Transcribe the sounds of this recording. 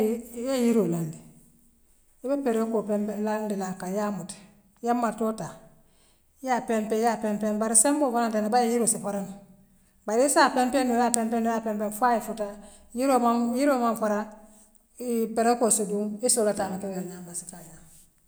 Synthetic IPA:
jajiɾolandi | ibepeɾekopemlandilakajamut | jamːaɾtota | japempejapempenbaɾisembofaɾantanabajejiɾosifaɾan | baɾiisapempenulapempenijaːpempenfaifuta | jiɾomajiɾomaɱfaɾa | peɾekosudunisolataːmakeeɲambasi̥taja

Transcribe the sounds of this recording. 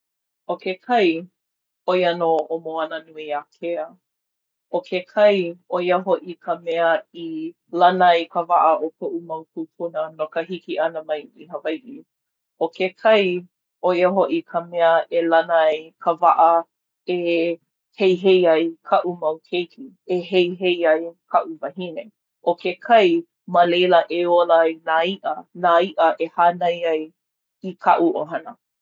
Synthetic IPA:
ʔokekʰɐj | ojɐnoʔomoɐnənuiakʰeə | okʰekʰɐjojəɦoʔikʰəmɛəi | lɐnɐjkʰəvaʔəʔokʰoʔumɐwkʰupʰunənokəɦikiʔɐnəmɐjiɦəvajʔi | okekʰɐj | ojəɦoʔikʰəmɛəʔelɐnəakʰəvaʔə | e | hejɦejɐjkʰɐʔumɐwkʰejkʰi | eɦejɦejɐjkʰɐʔuvɐɦine | ʔokekʰɐj | məlejləʔeolajnaiʔənaiʔəʔehanɐjɐj | ikʰɐʔuʔoɦɐnə

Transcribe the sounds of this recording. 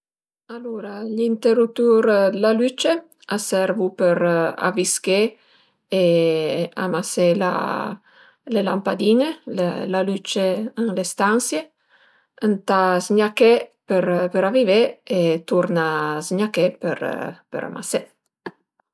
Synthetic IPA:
aluɾaʎint̪eɾut̪uɾlalyt͡ʃe | asɛɾvupəɾa̰viske | e | a̰masela̰ | lelampad̪iɲelḛlalyt͡ʃeənlest̪ansje | ənt̪azɲakepəɾpəɾaviveet̪uɾnazɲakepə̰ɾpə̰ɾa̰mʔa̰se

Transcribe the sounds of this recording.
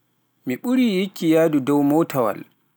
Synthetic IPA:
miɓuɾiːjikːijaːdudɔwmɔtʰawa̰l

